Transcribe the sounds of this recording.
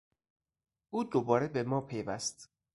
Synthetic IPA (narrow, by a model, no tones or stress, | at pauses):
ʔuːd̪obɒːɾebe̞mɒːpʰejvæst̪